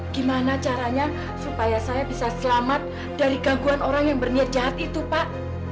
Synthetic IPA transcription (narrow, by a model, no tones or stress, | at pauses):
ɡ̥imanat͡ʃaɾaɲa | supajasajabisasəlamat̪̚ | d̥aɾiɡaɡuanoɾaŋjaŋbərniat̪̚d͡ʒaɦat̪̚it̪upaʔ